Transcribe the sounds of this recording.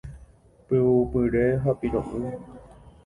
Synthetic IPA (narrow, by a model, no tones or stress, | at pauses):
pɨwupɨɾeɦapiɾõ̰ʔɨ̃